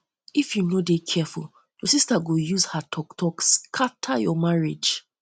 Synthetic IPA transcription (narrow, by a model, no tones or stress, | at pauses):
ifjunodekʰɛfṵl | jɔsistaɡojuzhatʰɔktʰɔkskʰatʰajɔmaɹed͡ʒ